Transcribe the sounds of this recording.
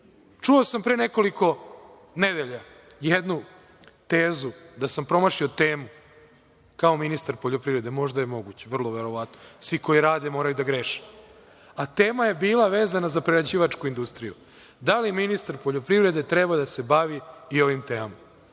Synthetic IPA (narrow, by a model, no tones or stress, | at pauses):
t͡ʃuosampɾeːneko̞liko̞ | ned̪eʎa | jed̪nu | t̪eːzud̪asampɾo̞maʃiot̪eːmu | kao̞minist̪aɾpo̞ʎo̞pɾiʋɾe̞d̪emo̞ʒd̪ajemo̞ɡut͡ɕeʋr̩lˠo̞ʋe̞ɾo̞ʋat̪nosʋiko̞iɾaːd̪emo̞ːɾajud̪aɡɾeʃe̥ | at̪eːmaje̞biːlˠaʋeːzanazapɾeɾad͡ʑiːʋat͡ʂkuind̪ust̪ɾiju | d̪aliminist̪aɾpo̞ʎo̞pɾiʋɾe̞d̪e̞t̪ɾebad̪ase̞baʋiio̞ʋimt̪eːmama